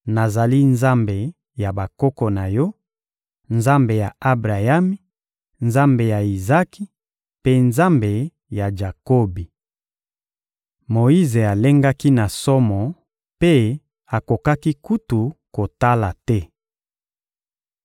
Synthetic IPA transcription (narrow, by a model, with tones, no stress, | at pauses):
na˨za˨li˦nza˦mbe˨ | ja˨ba˨kɔ˦kɔ˨na˨jɔ˦ | nza˦mbe˨ja˨a˦bʁa˨ja˦mi˦ | nza˦mbe˨ja˨i˨za˦ki˦ | pe˦nza˦mbe˨ | ja˨ʒa˨ko˦bi˨ | mo˨i˦ze˨a˨le˦ŋɡa˦ki˦na˨sɔ˦mɔ˨ | pe˦ | a˨ko˨ka˦ki˦ku˦tu˨ko˨ta˦la˨tɛ˦